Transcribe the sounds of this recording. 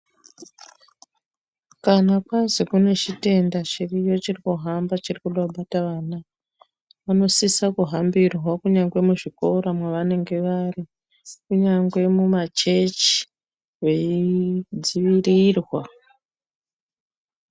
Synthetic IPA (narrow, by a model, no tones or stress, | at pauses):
kanakwazikune̞t͡ʃite̞ndat͡ʃirijo̞t͡ʃirikuɦambat͡ʃirikuɗoɓataʋaːna | ʋano̞sisakuɦambirwakuɲaŋɡwe̞muʐiko̞ɾamwaʋane̞ŋɡe̞ʋari | kuɲaŋɡwe̞mumat͡ʃe̞t͡ʃi̥ | ʋe̞id͡ziʋirirwa